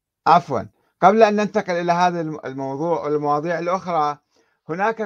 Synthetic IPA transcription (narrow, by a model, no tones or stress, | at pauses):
ʔafwɑ̰n | qablaʔanːɪnt̪ɑqɪlʔɪlaɦaːðalmɑwðˤuːʕwɪlmɑwɑːðˤiːʕɪlʔʊxɾˤɑ | hʊnaːk